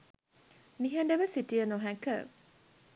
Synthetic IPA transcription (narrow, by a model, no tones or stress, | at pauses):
niɦəɳɖəʋəsitijənoɦækə̰